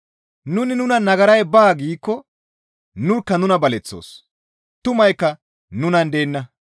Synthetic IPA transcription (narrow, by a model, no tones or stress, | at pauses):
nʊnɪnʊnɐnɐɡɐɾɐjbaːɡiːkːɔ | nʊɾkːɐnʊnɐbɐlɛt͡sːo̰ːs | t̪ʊmɐjkːɐ | nʊnɐnd̪eːnːɐ